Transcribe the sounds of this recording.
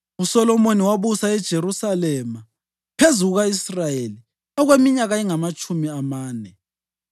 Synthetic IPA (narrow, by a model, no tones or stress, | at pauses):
usɔlɔmoniwaβusaɛd̥ʒ̥ʱeɾusalɛma | pʰezuɣuɣaisrajeli | ɔɣwemiɲaɣaiŋamat͡ʃʼumiamaːnɛ